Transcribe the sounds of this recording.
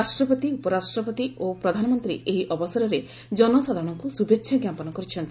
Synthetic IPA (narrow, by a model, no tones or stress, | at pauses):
asʈɾɔpɔt̪iupɔɾasʈɾɔpɔt̪iopɾɔd̪ʱanɔmɔnt̪ɾḭʔeɦiʔɔbɔsaɾɔɾe | d͡ʒɔnɔsɔd̪ʱaɾɔɽ̃ɔŋkusubʱekʃʰaɡjapɔnɔkɔɾit͡ʃʰɔnt̪i